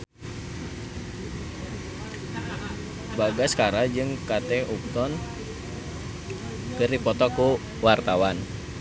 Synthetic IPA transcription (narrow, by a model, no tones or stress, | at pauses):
baɡaskaɾad͡ʒɨŋkat̪ɛup̚t̪ɔn | kɨrdipɔt̪ɔku | wart̪awan